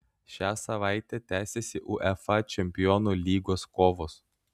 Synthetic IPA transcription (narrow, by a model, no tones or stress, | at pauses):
ʃʲæːsɐʋɑˑɪt̪ʲɛt̪ʲæːsʲɛsʲɪʔʊʔɛfɐt͡ʃʲɛmʲpʲɪjɔnulʲiːɡoːskoːʋoːs